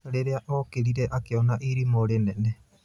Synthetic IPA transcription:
ɾeɾeaʔokeɾiɾeʔakeonaʔiɾimoɾeneʔne

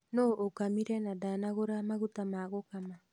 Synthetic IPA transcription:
noʔokamiɾenadanaɣoɾamaɡutamaɡokama

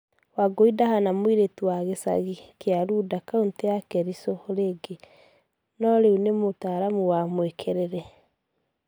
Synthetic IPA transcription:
waɡoidahanamwiɾetuwaɣesa̰ɣikeaɾudakauntejakɛɾisɔɾeɡe | nɔɾeunemotaːɾamuwamwekʰeɾeɾɛ

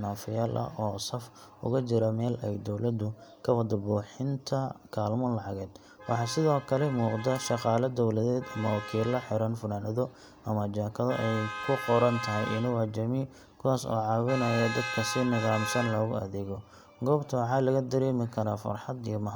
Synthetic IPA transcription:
naːfɪjaːlʔɐ̰ʔɔːsɐf | ʊ̰ɣɐt͡ʃɪɾɐmɛːlɛjd̪ɔwlɐd̪ʊkʰɐwɐd̪ɐbuːħɪnt̪ʰɐkʰaːlmɔːlɑʕɑɣɛːd̪ | wɑħɑːsɪðɔːkʰɐlɛmuːqd̪ɐʃɑqɑːlɐd̪ɔwlɐðɛːd̪ɐmɐwɑkʰiːlɐħɪɾɐnfʊnaːnɐðɔ | ɐmɐt͡ʃaːkʰɐðɔ̰ʔɛjkʰʊqɔɾɐnt̪ʰɐɦɪjʔɪnʊwat͡ʃɐmi | kʰʊwaːsɔ̰ːʕɑːwɪnɐjɐd̪ɐd̪kʰɐsɪnɐɣaːmsɐnlɔːɣʊɐ̰ðɛɣɔ | ɡɔːbt̪ʰɐwɑħɑːlɐɣɐd̪ɐɾɛːmɪkʰɐɾaːfɐ̰rħɑd̪ijɔmɐɦ

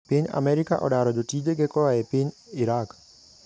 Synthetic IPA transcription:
pɪɲa̰mɛɾika̰ʔɔ̰ɗaɾɔdotid͡ʒeɡekɔaepɪɲ | iɾak

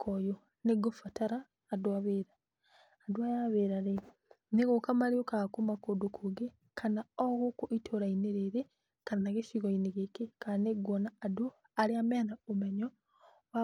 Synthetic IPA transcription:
kʰojo | neɡofataɾaː | dwaβeɾaː | dwajaβeɾaɾe | neɣokamaɾiokakumakodokʰuɡe | kʰanaɔɣokoʔitʰoɾaineɾeɾe | kanaɣeʃiɣoineɣekekaneɡɔnaːdo | aɾeamenaomeɲɔ | wa

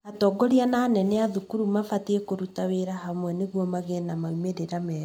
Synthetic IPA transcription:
atɔɡɔɾianaːnɛnɛaðukuɾumafatiekoɾutaweɾaɦamwɛneɣwɔmaɣenamaumeɾeɾamɛ

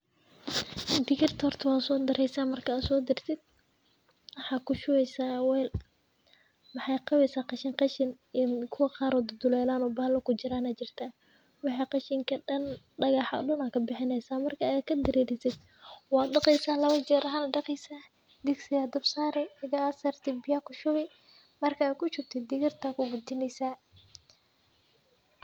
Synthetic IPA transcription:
d̪ɪɣɪrt̪ʰɐhɔrt̪ʰɐwɑːd̪sɔːd̪ɐɾɛjsaːmɐrkʰɐːd̪sɔːd̪ɪrt̪ʰɪd̪̚ | wɑħɑːkʰʊʃʊɣɛjsaːwɛːl | mɑħɑjqɑβɛjsaːqɑʃɪŋqɑʃɪn | kʰʊwɐqɑːɾɔːd̪d̪ʊlɛːlaːnɔbɐlɐkʊt͡ʃɪɾaːnaːt͡ʃɪrt̪ʰaː | wɑħɑːqɑʃɪŋkʰɐɖɐn | ɖɐɣɑħɐ̰ɗʊnakʰɐbɪħɪnɛjsaːmɐrkʰɐkʰɐd̪ɐɾiːɾɪsɛd̪ | wɑːd̪ɖɑqɛjsaːlɐβɐt͡ʃɛːɾɐɦɐnɐɖɑqɛsaː | d̪ɪɡsɪjaːd̪ʊbsaːɾɛɪɣɐsɐrt̪ʰɪbɪjaːkʰʊʃʊβɛ | mɐrkʰɐːkʰʊt͡ʃɪrt̪ʰɛd̪ɪɣɪrt̪ʰɐkʰʊɡʊt̪ɪnɛjsaː

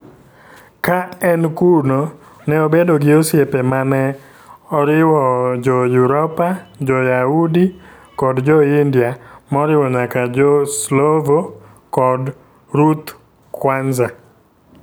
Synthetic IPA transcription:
kaɛnkuno | nɛobedoɡɪosjepemanɛ | ɔɾɪwɔd͡ʒɔjuɾɔpad͡ʒɔjaudi | kɔdd͡ʒɔindjamɔɾɪwɔɲakad͡ʒɔslovo | kɔd | ɾut̪ | kwanza

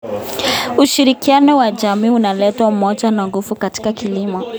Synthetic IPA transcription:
uʃiɾikianɔwad͡ʒamiːunalɛtwamɔd͡ʒanaŋɡufukati̥kakilimɔ

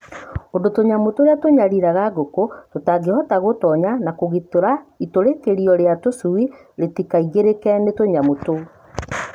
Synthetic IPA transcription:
ondotoɲamotoɾeatoɲaɾiɾaɣaɣokototaɡehɔtaɣotɔɲanakoɣitoɾaitoɾekeɾiɔɾeatosui | ɾetikaiɣeɾekɛnetoɲamoto

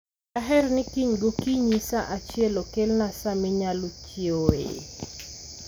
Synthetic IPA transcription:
aɦɛrnɪkiɲɡokiɲisaʔat͡ʃjɛlokelnasamɪɲalot͡ʃjoḛ

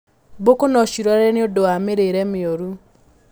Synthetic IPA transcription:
bokonɔʃiɾwaɾɛneodowameɾeɾɛmeoɾu

